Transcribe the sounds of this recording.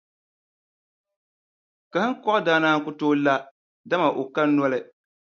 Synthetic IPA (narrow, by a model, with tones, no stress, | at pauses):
ka˨hɨ˦ŋ˦kɔ˦ʔdaː˦naː˦ŋ̩˦kʊ˦toː˦la˦ | da˦ma˨ʔo˨ka˦n˦nɔ˦lɨ˦